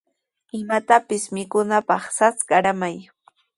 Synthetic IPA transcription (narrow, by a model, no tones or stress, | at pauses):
ɪmat̪apɪsmɪkʊnapɑχsat͡sɢɑɾamaj